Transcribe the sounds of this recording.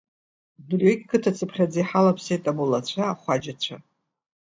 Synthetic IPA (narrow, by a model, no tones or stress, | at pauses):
drɥeɡʲkʰɨtʰat͡sʰɨpʰχʲad͡zijħalapʰsejtʼabulat͡ɕʷʰaχʷad͡ʒat͡ɕʷʰa